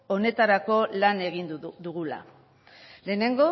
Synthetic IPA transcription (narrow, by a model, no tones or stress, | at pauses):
o̞ne̞t̪aɾako̞lane̞ɣind̪uɣula̰ | le̞ːne̞ŋɡo̞